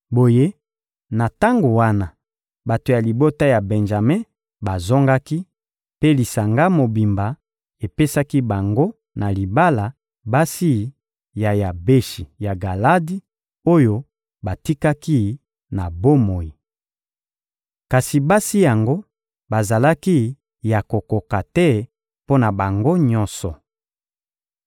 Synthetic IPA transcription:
bo˨je˦ | na˨ta˦ŋɡo˨wa˦na˨ | ba˨to˨ja˨li˨bo˦ta˦ja˨bɛ˨nʒa˨me˦ | ba˨zɔ˦ŋɡa˦ki˦ | pe˦li˨sa˨ŋɡa˦mo˨bi˨mba˨ | e˨pe˦sa˦ki˦ba˨ŋɡo˦ | na˨li˨ba˦la˨ | ba˦si˦˨˦ | ja˨ja˨be˦ʃi˨ja˨ɡa˨la˦di˦ | o˦jo˦ | ba˨ti˦ka˦ki˦ | na˨bo˦mo˨ji˨ | ka˨si˨ba˦si˦ja˨ŋɡo˦ | ba˨za˨la˦ki˦ | ja˨ko˨ko˨ka˨tɛ˦ | po˦na˨ba˨ŋɡo˦ɲɔ˦nsɔ˨

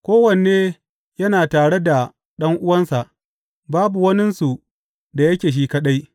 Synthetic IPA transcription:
kʷoː˦wɐ˨n˨eː˦ | jɐ˦naː˨taː˨ɽe˦da˨ | ɗɐ˦ŋʔʊ˦wɐ˦nsa˨ʔ | baː˦bu˨wɐ˦nɪ˦nsu˨ | da˨jɐ˦kʲeː˨ʃ̬iː˦kɐ˦ɗa˦j

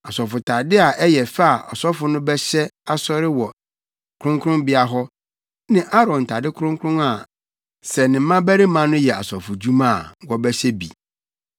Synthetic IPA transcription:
a˨sɔ˨fʊ˨tʰa˨dɪ˦a˨ʔɛ˦jɛ˨fa˦a˨ʔɔ˨sɔ˦fʊ˦nʊ̃˦bɛ˦ɕɛ˦a˨sɔ˦ɾɪ˦wɔ˨ | kʰɾʊ̃˦ŋkʰʊ̃˦mbɪ˦a˨ɦɔ˦ | nɪ̃˦ʔa˦ɾɔ̃˨n˨tʰa˨dɪ˦kʰɾʊ̃˦ŋkʰʊ˦ɾʊ̃˦a˨ | sɛ˨nɪ̃˨˦mã˦bæ˦ɾi˦mã˦nʊ̃˦jɛ˨a̰˨sɔ˨fʊ˨d͡ʑu˦mã̰˦˨wɔ˦bɛ˦ɕɛ˦bḭ˨

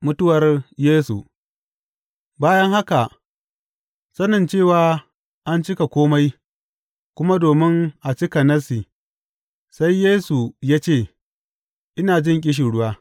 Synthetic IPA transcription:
mʊ˦tʊ˦wɐ˨rjeː˦sṵ˨ | baː˦jɐ˦ŋha˦ka˨ | sɐ˦nɐ˨nt͡ʃeː˦˨waː˨ | ʔa˦nt͡ʃɪ˦ka˨kʷoː˦ma˦j | kʷʊ˦ma˦doː˨mɪ˦ŋʔa˨t͡ʃɪ˦kɐ˨nɐ˦si˨ | sa˦jːeː˦su˨jaː˦t͡ʃeː˦˨ | ʔɪ˦naː˨d͡ʒɪ˦ŋkʲʼɪ˦ʃ̬i˨ɽʊ˦waː˦

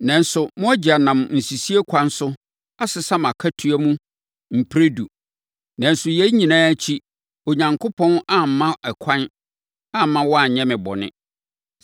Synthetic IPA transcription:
nã˨n̩˦sʊ˨mʊ̃˦a˦d͡ʑi˨a˨nã˨mn̩˨si˨si˦e˦kʷʰã˦nsʊ˦ | a˦sɪ˨sa˦mã˨kʰa˦tʰu˨˦æ˦mũ˦ | m̩˨pʰɾe˦du˨ | nã˨n̩˦sʊ˨jɛ˦ɲĩ˨nãː˦t͡ɕʰi˦ | o˨ɲã˨ŋkʰo˦pʰɔ̃˦na˦m̩˨mã˦ʔɛ˨kʷʰã˦n | a˦m˦mã˦wɔ˦a˨ɲɛ̃˦mɪ̃˨bɔ̰˨nɪ̰̃˦

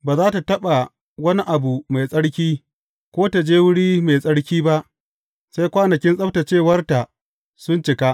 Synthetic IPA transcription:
baː˨zaː˦ta˨tɐ˦ɓa˨ | wɐ˦ni˦ʔa˨bu˨ma˨jsʼɐ˦ɽkʲiː˦ | kʷoː˦ta˨d͡ʒeː˦wʊ˦ɽiː˦ma˨sʼɐ˦ɽkʲiː˦ba˦ʔ | sa˦jkʷaː˦nɐ˨kʲɪ˦nsʼɐ˦ɸta˨t͡ʃeː˦˨wɐ˦rta˨ʔ | sʊ˦nt͡ʃɪ˨ka˦ʔ

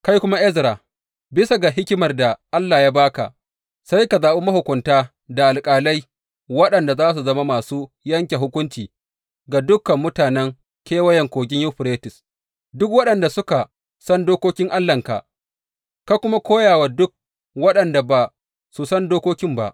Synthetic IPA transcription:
ka˦jkʷʊ˦ma˦ʔɛ˦zɾa˨ | bɪ˦sa˨ɡa˨ɦɪ˦kʲɪ˦mɐ˨rda˨ʔa˦lːaː˨jaː˦baː˦ka̰˨ʔ | sa˦jka˨zaː˨ɓu˦mɐ˦hʊ˨kʷʊ˨ntaː˦ | da˨ʔa˨lkʼaː˨lɐ˦j | wɐ˦ɗɐ˨nda˨zaː˦s̬u˨zɐ˦ma˦maː˨suː˦ | jɐ˦ŋkʲe˨ɦʊ˦kʷʊ˦nt͡ʃiː˨ | ɡa˨dʊ˦kːɐ˨mːʊ˦taː˨nɛ˦ŋ | kʲeː˦wɐ˦jɛ˨ŋkʷoː˨ɡʲɪ˦ɲjʊ˦ɸɾeː˦tɪ˨s | dʊ˦kwɐ˦ɗɐ˨nda˨sʊ˦ka˨ | sɐ˦ndoː˦kʷoː˦kʲɪ˦ŋʔa˦lːɐ˨ŋka̰˨ʔ | ka˦kʷʊ˦ma˦kʷoː˦jaː˨wa˨dʊ˦k̚ | wɐ˦ɗɐ˨nda˨ba˨ | su˨sɐ˦ndoː˦kʷoː˦kʲɪ˦mba̰˨ʔ

